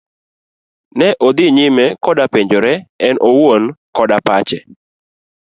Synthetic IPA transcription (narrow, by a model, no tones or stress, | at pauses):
nɛʔod̪ɪɲɪmɛkɔdapeɲd͡ʒoɾɛɛnʔowonkɔdapat͡ʃɛ